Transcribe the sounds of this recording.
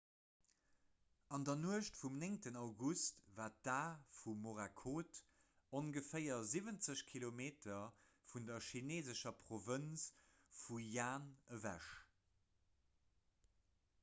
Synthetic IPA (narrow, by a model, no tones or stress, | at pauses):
ɑndɐnuəʃtfumneŋtənɑʊɡustvaːt̚daːfumoʁakʰoːt | oŋɡəfɜɪɐzivənt͡səɕkʰilomeːtʰɐfundɐʃineːzəʃɐpʰʁovəns | fujaːnəvæ̰ʃ